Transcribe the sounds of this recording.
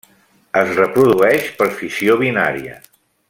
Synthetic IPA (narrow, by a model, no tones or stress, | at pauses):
əzrəpɾuðuɛʃpəɾfisioβ̞ina̰ɾiə̰